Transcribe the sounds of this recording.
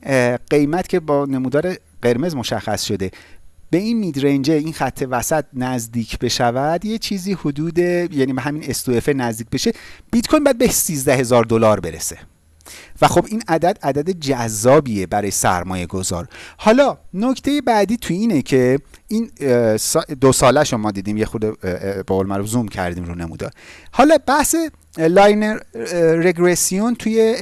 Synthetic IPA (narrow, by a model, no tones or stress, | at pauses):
ɢ̥e̞jmæt̪cʰe̞bɒːne̞muːd̪ɒːɾe | ɢe̞ɾme̞zmo̞ʃæxːæsʃo̞d̪e̞b̥e̞inmiːd̪ɾend͡ʒe̞inxæt̪ʰːe̞væsæt̪̚næzd̪iːcʰb̥e̞ʃævæd̪je̞t͡ʃʰiːziːhod̪uːd̪e̞jæniːbeɦæminest̪uefenæzd̪iːc̚be̞ʃe̞b̥it̪kʰojnbɒjæd̪̚besiːzd̪æhe̞zɒːɾd̪o̞lɒːɾbe̞ɾḛse̞ | væxo̞binæd̪æd̪æd̪æd̪ed͡ʒæzːɒːbijebæɾɒːjesæ̰ɾmɒːje̞ɡo̞zɒ̰ːɾhɒːlɒːnoct̪ʰejebæd̪iːt̪ʰujiːnecʰe̞ʔinsd̪osɒːlæʃomɒːd̪iːd̪iːmjexud̪eboɣolemæɾufzumcʰæ̰ɾd̪iːmɾuːnemṵd̪ɒ̰ːɾhɒːlɒbæhse̞ | lɒjneɾeɡɾesiont̪ʰuje